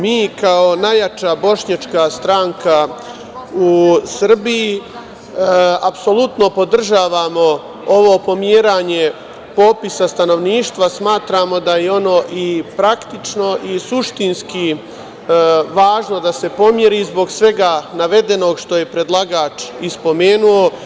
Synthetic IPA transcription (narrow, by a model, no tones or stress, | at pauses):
miːkao̞najat͡ʃabo̞ʃɲat͡ʃkast̪ɾaŋka | usr̩biji | apso̞lˠut̪no̞po̞d̪r̩ʒaːʋaːmo̞ | oʋopo̞mjeːɾaːɲe̞ | po̞ːpisast̪ano̞ʋniːʃt̪ʋasmaːt̪ɾaːmo̞d̪ajeo̞no̞ːʔipɾakt̪it͡ʃno̞ʔisuʃt̪inski | ʋaːʒno̞d̪ase̞po̞mje̞ɾiːzbo̞ɡsʋe̞ɡanaʋe̞d̪e̞no̞ɡʃt̪o̞je̞pɾe̞d̪lˠaɡaːt͡ʃispo̞meːnuo̞